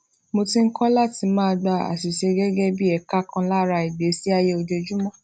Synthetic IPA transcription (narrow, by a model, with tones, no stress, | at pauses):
mo˧tĩ˦ŋ̩˦kɔ˦la˦ti˧˦mãː˦˧ɡ͡ba˧˨a̰˨si˨ʃe˧ɡɛ˦ɡɛ˦bi˦ɛ˨ka˦kã˧la˦ɾa˧i˨de˨˦si˦a˧je˦o˧d͡ʒe˧d͡ʒu˦mã˦˨